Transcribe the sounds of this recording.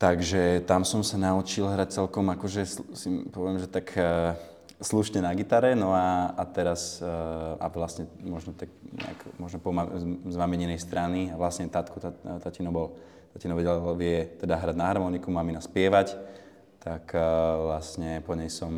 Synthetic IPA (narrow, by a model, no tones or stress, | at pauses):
t̪aɡʒɛt̪amsɔmsanaut͡ʃilɦɾac̚t͡sɛlkɔmakɔʒɛssipɔʋɪɛmʒɛt̪ak | sluʃɲɛnaɡit̪aɾɛnɔaat̪ɛɾas | a̰ʋlastɲɛmɔʒnɔt̪ak̚ɲɛ̰a̰kmɔʒnɔpɔmazmamɛɲɛnɛjst̪ɾaniaʋlasɲɛt̪at̪kut̪at̪acinɔbɔl | t̪acinɔʋɛɟɛllʋɪɛt̪ɛd̪aɦɾaɟnaɦɾmɔnikumaminaspɪɛʋac | t̪akʋlasɲɛpɔɲɛjsɔm